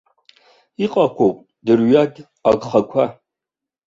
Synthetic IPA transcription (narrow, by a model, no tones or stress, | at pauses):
iqʼakʷʰowpʼ | dɨrɥaɡʲʼ | aɡχakʷʰa